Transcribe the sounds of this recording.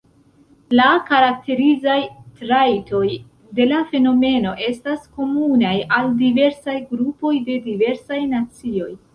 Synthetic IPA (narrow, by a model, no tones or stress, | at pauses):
lakaɾak̚te̞ɾizajtɾajto̞j | de̞lafe̞no̞me̞no̞ʔe̞stasko̞munajaldive̞ɾsajɡɾupo̞jde̞dive̞ɾsajnat͡sio̞j